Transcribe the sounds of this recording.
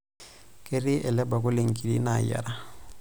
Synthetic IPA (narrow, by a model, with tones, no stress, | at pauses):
kʼɪ˦rɪ˦ʔɛ˨lɛ˦ba˨kʊ˦lɪ˨ŋ̩˨kʼi˨di˦na˨ja̰˨ɾa˦